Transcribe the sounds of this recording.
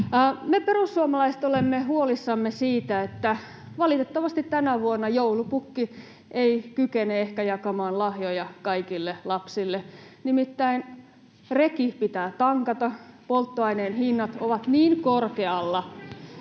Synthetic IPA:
meperusːuomɑlɑise̥t̪olemːehuolisːɑmːesiːt̪æet̪ːæ | ʋɑlit̪et̪ːɑʋɑst̪it̪t̪ænæʋuonːɑjoulupukːi | eikykeneehkæjɑkɑmɑːnlɑhjojɑkɑikilːelɑpsilːe | nimit̪ːæin | rekipit̪æːt̪ɑŋkɑt̪ɑpolt̪ːoɑineːnhinːɑt̪oʋɑt̪niːŋkorkeɑlːɑ

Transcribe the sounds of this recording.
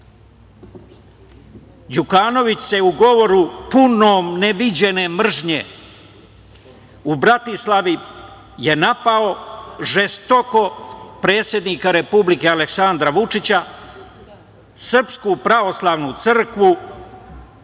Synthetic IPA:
d͡ʑukaːno̞ʋit͡ɕse̞uɡo̞ʋo̞ɾupunoːmneʋid͡ʑe̞ne̞mr̩ʒɲḛ | ubɾat̪islˠaʋi | je̞napao̞ʐest̪o̞ko̞pɾe̞ːt̪sʲje̞d̪niːkaɾe̞publike̞aleksand̪ɾaʋut͡ʂit͡ɕa | sr̩pskupɾaʋo̞slˠaːʋnut̪sr̩kʋu

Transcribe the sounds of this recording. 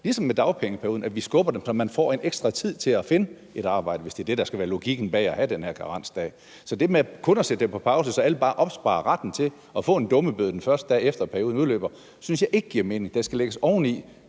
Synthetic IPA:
lisɒ̽mːed̥ɑ̈ʊpʰeŋəpʰæɐuːðˠnæʋisɡ̥ɔ̽b̥ɐd̥emsɒ̽mænfɒ̰ːe̝neɡ̥sd̥ʁɑ̈t͡sʰið̞̰ˠt͡sʰe̝læfe̝nə | e̝ɾ̥ɑ̈ːb̥ɑ̈ɪ̰dəʋe̝sd̥e̝ɐd̥e̝ɾ̥ɑ̈sɡ̥æʋæːɐlo̝ɡ̥iɡ̥n̩b̥ɛ̰ːæhæd̥enhæɐɡ̥ʰɑʁɑ̈n̰sd̥ɛ̰ː | sɒ̽d̥e̝mekʰɔ̽nɒsed̥ə̥empʰɒ̽pʰɑ̈ʊsəsɒ̽æləb̥ɑ̈ːʔɒ̽b̥sb̥ɑ̈ːɐʁɑd̥n̩t͡sʰe̝l | ɒ̽fɔ̰̽ːe̝nd̥ɔ̽məb̥øðˠd̥en̩fɶɐsd̥əd̥ɛ̰ːefd̥ɐpʰæɐo̝ːðˠnuðˠlø̰ːb̥ɐ | synsjɑ̈ɪʔe̝ɡ̥əɡ̥iɐ̰me̝ːne̝ŋd̥esɡ̥æleɡ̥əsɒʊ̰n̩li

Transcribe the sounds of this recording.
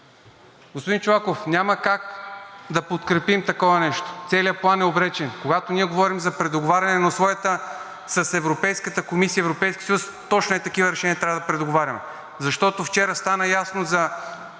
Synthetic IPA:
ɡospʊd̪int͡ʃovakofnʲaməkakd̪ɐpot̪kɾɛpimt̪ɐkɔvɐnɛʃt̪o̥t̪sɛliəplˠanɛobɾɛt͡ʃɛnkoɡat̪onʲiɛɡovɔɾimzɐpɾɛd̪oɡovaɾʲɐnɛnosvɔjət̪ə | sɐsɛvɾopɛjskət̪əkomisiəɛvɾopɛjskʲi̥sjust̪ɔt͡ʃnoɛt̪ɐkivəɾɛʃɛnʲiəɐt̪ɾavəd̪ɐpɾɛd̪oɡovaɾʲɐmɛ | zɐʃt̪ɔt̪oft͡ʃɛɾəst̪anəjasnozɐ

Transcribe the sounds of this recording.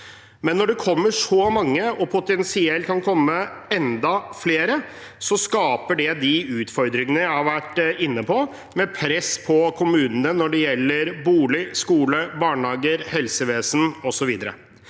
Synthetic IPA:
mɛnːɔɖɛkʰɔmːəʂɔmɑŋːəɔpʰʊt̪ɛnsɪɛlt̪kʰɑnkʰɔmːəɛnd̪ɑfleːɾə | sɔskɑːpəɖɛd̪ɪʉːt̪fɔɾd̪ɾɪŋənəjæɪhɑɾʋæʈːɪnːəpʰɔ | mɛpʰɾɛspʰɔkʰʊmʉːnənənɔɖɛjɛlːəɾbuːlɪskuːləbɑːɳhɑːɡəɾhɛlsəʋeːsənɔsɔʋiːd̪əɾə̰

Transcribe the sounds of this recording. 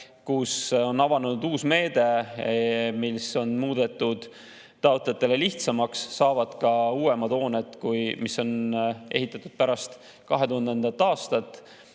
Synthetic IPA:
kuso̞nːɑvɑnunud̪̥uːsme̞ːd̪̥e̞ | milso̞nmuːd̪̥e̞t̪ˑːud̪̥ː | ɑot̪ljɑt̪ːˑe̞le̞liht̪sɑmɑksːɑːvɑd̪̥kɑuːe̞mɑd̪o̞ːnet̪ːˑkujmisːo̞nʔe̞̰ɦit̪ːˑɑt̪ːud̪̥pæɾɑst̪ | kɑɦe̞t̪uhɑnd̪end̪ɑt̪ːˑɑːst̪ɑt̪ːˑ

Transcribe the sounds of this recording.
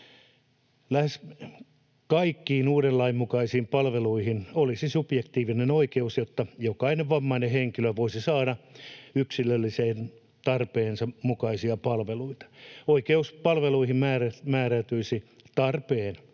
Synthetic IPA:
læhes | kɑikːiːnuːɾellɑimːukɑisiːmpɑlʋeluihinolisisupjekt̪iːʋinenoikeusjot̪ːɑjokɑineʋʋɑmːɑineheŋkiløʋoisisɑːɾɑyksilølːiseːn | t̪ɑrpeːnsɑmukɑisiɑpɑlʋeluit̪ɑ̥oikeuspɑlʋeluihimmæːræmæːræt̪yisi | t̪ɑrpeːn

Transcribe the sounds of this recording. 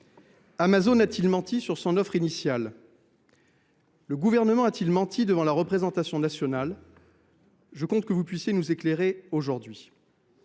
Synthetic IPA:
amazonat̪ilmɑ̃t̪isyʁsɔ̃nɔfχinisjal | əɡuvɛʁnəmɑ̃at̪ilmɑ̃t̪id̪əvɑ̃laʁəpχezɑ̃t̪asjɔ̃nasjɔnal | ʒəkɔ̃t̪kəvupɥisjenuzekleʁeoʒuʁd̪ɥi

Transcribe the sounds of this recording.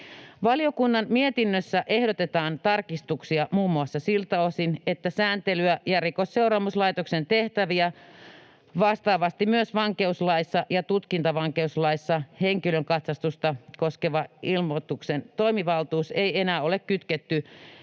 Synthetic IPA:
ʋɑliokunːɑnmiet̪inːøsːæʔehdot̪et̪ɑːnt̪ɑrkist̪uksiɑmuːmːuɑsːɑsilt̪ɑosinet̪ːæsæːnt̪elyæjærikosseurɑːmuslɑit̪oksent̪eht̪æʋiæ | ʋɑst̪ɑːʋɑst̪imyøsʋɑŋkeuslɑisːɑjɑt̪ut̪kint̪ɑʋɑŋkeuslɑisːɑheŋkiløŋkɑt̪sɑst̪ust̪ɑkoskeʋɑʔilmot̪uksent̪oimiʋɑlt̪uːseienæːolekkyt̪ket̪ːy

